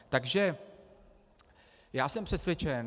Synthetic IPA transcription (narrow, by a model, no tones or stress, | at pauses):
t̪aɡʒɛ | jaːsɛmpr̝̥ɛsvʲjɛt͡ʃɛn